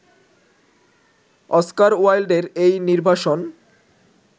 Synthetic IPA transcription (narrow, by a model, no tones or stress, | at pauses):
ɔskaɾuajlɖeɾejniɾbʱaʃon